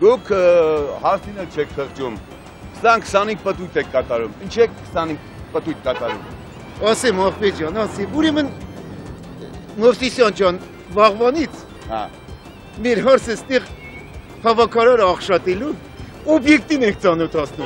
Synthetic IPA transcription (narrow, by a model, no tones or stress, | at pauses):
d̪ukʰhɑɾt͡sʰinɛlt͡ʃʰɛkʰt̪ʰəʁt͡ʃum | ksɑnkʰsɑnik̚pət̪ujt̪ʰɛkkːɑt̪ɑɾumint͡ʃʰɛkkʰsɑnik̚ʰ | pət̪ujt̪̚kɑt̪ɑɾṵm | ɑsɛmɑχpɛd͡ʒjɑnɑt͡sʰɛvuɾɛmən | mɔfsisjɑnt͡ʃʰɑn | vɑʁvɑnit͡sʰ | hɑ̰ | mɛɾɦɑɾt͡sʰəst̪ɛʁ | hɑvɑkʰɑɾɑɾəɑχʃɑt̪ɛlu | ɔbjɛk̚t̪inɛŋk̚ʰt͡sɑnɔt̪ʰɑt͡sʰnum